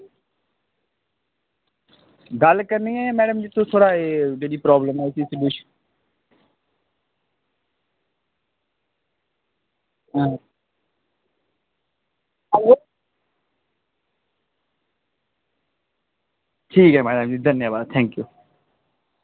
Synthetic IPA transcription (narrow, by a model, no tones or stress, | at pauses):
ɡalkəɾniːɛːmɛːɖəmd͡ʒiːt̪ot̪ʰoːɽaːeːd͡ʒeːɽiːpɾɔːbləmɦɛːsiːsɪljuːʃən | ʈʰiːkɦɛːmɛːɖəmd͡ʒiːd̪ʱənjəʋaːd̪̚t̪ʰɛ̃ːŋkjuː